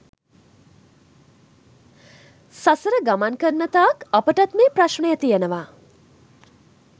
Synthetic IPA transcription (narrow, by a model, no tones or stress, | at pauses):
sasəɾəɡamankəɾnət̪aːkɐpəʈɐt̪meːpɾaʃɳəjət̪ijənəʋaː